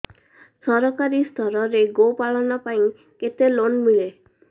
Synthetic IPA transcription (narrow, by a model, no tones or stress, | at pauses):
sɔɾɔkaɾist̪ʰɔɾɔɾeɡopaɭɔnɔpaĩ | ket̪elonmile